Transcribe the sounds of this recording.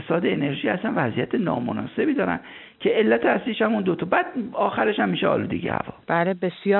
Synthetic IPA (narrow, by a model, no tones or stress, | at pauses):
sɒːd̪eene̞ɾʒiːæsænvæzijæt̪ʰenɒ̰ːmo̰nɒ̰ːse̞bid̪ɒːɾæ̰n | cʰe̞elːæt̪ʰeæsliʃæmund̪ot̪ʰɒbæd̪̥̚ɒːxæɾe̞ʃæmːiːʃeɒ̰ːlṵːd̪ḛɟḛhæ̰vɒ̰ːb̥ælebesjɒː